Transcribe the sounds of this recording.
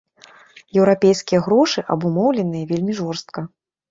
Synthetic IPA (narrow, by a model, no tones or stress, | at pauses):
jɛwɾapʲejskʲijɐɣɾɔʂɨʔɐbumɔwlʲɛnɨjɐvʲelʲmʲiʐɔrst̪̚kɐ